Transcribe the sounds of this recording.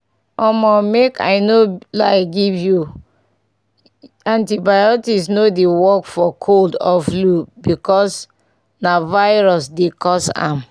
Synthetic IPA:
ɔmɔmekʰa̰ɪnolajɡivju | ãntibajɔtisnodewɔkfɔkʰoldɔflubikɔs | navaɪɹɔsdekɔsã̰m

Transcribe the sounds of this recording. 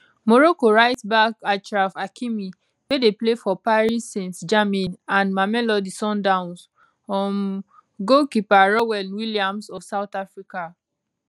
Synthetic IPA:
moɾokoɹaɪtbakat͡ʃɹafakʰimi | wedeplefɔpaɹisːĩnsd͡ʒamĩnãnmamɛlɔdisɔ̃ndãʊ̃ns | ɔ̃m | ɡokipaɹɔwɛlwiliãmsɔfsaʊtafɹika

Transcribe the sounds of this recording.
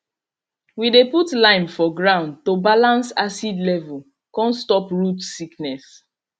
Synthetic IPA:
wideputlãɪ̃mfɔɡɹãʊ̃nd̚tobalãnsasidlɛvul | kɔ̃nstɔpɹutsiknɛs

